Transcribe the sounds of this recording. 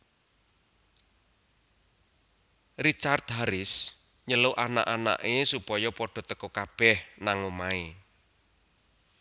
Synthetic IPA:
rit͡ʃart̪ɦaɾɪs | ɲəloʔana̰ʔana̰ʔesupɔjɔpɔɖ̥ɔ̤t̪əkɔkab̥ɛhnaŋomae

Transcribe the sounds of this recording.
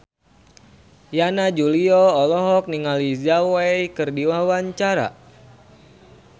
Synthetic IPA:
janad͡ʒuliɔɔlɔɦɔk̚niŋalizawejkɨrdiwawaɲt͡ʃaɾa̰

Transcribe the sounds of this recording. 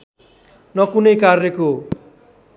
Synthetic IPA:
nʌkunʌjkarneko

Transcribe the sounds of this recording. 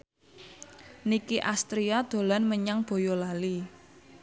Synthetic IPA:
nikiʔast̪ɾiad̪̥o̤lanməɲaŋb̥o̤jolali

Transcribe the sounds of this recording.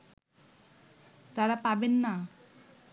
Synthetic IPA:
t̪aɾapabenːa

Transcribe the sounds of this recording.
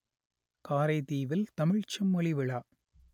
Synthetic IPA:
kaːɾɐɪt̪iːʋɪlt̪ɐmɪɻt͡ʃɐmːɔɭɪʋɪɭaː

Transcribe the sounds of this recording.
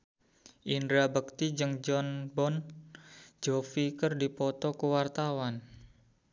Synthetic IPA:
ʔindɾabək̚t̪id͡ʒɨŋd͡ʒɔnbɔn | d͡ʒofikərdipɔt̪ɔkuwart̪awan

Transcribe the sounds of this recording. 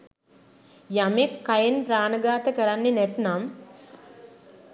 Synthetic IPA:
jamekːajenpɾaːnəɡaːt̪əkəɾanːenɛt̪nam

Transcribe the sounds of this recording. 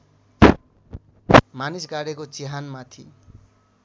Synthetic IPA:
manisɡaɽekot͡siɦanmat̪ʰḭ

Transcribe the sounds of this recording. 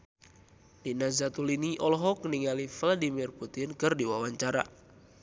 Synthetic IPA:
dinazat̪uliniʔɔlɔɦɔkniŋalifladimirput̪ɪnkɨrdiwawaɲt͡ʃaɾa̰

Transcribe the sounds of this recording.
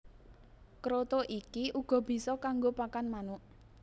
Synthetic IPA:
kɾot̪oʔikiʔuɡ̥ɔ̤b̥i̤sɔkaŋɡopakanmanʊʔ

